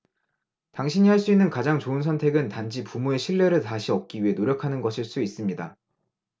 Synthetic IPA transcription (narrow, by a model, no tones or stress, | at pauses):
taŋɕʰiɲiɦaɭs͈uinːɯnkad͡ʑaŋt͡ɕoɯnsʰʌntʰe̞ɡɯntand͡ʑipumue̞ɕʰiɭːe̞ɾɯɭtaɕʰiʌp̚k͈iɥiɦe̞noɾjʌkʰanɯnɡʌɕʰiɭs͈uis͈ɯmɲida